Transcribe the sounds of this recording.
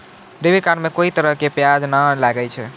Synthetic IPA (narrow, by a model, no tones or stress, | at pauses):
ɖebiɾkaɾmekoit̪əɾəɦkepjad͡ʒnalaɡɛt͡ʃʰɛ